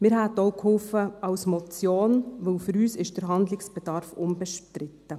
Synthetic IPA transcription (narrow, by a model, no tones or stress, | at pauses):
mɪɾɦætoʊkhʊlfəɑwsmɔt͡sjoːnʋɵlfʏɾyːsɪʃd̥əɾɦɑndlɪksb̥ɛd̥ɑːɾfʊmbɛʃtɾɪtːə